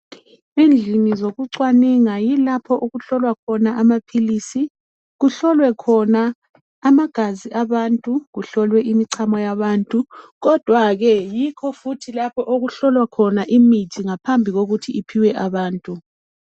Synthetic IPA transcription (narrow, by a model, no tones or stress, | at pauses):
ind͡ɮʱinizoɣuǀwaniŋajilapʰɔʔuɣuɬɔlwakʰɔnaʔamapʰilisi | ɣuɬɔlwɛkʰɔnaː | maɡ̥ʱaziʔaβantʼuɣuɬɔlwɛʔimiǀʰamɔjaβaːntʼuɣɔd̥ʱwaɣɛjikʰɔfutʰilapʰɔʔoɣuɬɔlwakʰɔnaʔimitʰiŋapʰambʱiɣoɣutʰiipʰiwɛʔaβaːntʼu